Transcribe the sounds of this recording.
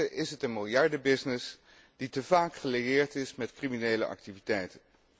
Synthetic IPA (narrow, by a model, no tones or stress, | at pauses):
əʔɪsɦətənmɪlˠjɑɹdəbɪsnɪs | d̥itəvaːkχəlejɪːɹtɪsmɛtkriminejlə̰ʔɑ̰k̚tivitɛjtən